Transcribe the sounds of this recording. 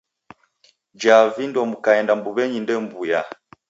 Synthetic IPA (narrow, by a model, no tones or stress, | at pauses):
d͡ʒavindwɔmukaɛndambuβɛɲindɛmbuja